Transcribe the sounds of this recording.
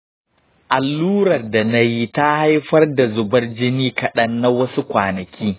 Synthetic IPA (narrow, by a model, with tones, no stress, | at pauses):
ʔa˨lːuː˦ɾɐ˨rda˨na˦ji˦ta˦ha˦jɸɐ˦rda˨zʊ˨bɐ˦rd͡ʒɪ˦niː˦kɐ˨ɗɐ˦nːa˦wɐ˦su˦kʷaː˨nɐ˨kʲiː˦